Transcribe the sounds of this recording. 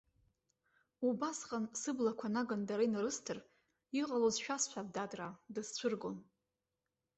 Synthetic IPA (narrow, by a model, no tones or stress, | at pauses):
ubasqʼansɨblakʷʰanaɡandaɾajnaɾɨstʰɨr | iqʼalozʃᶣasħʷab̚dadradɨzt͡ɕʷʰɨrɡon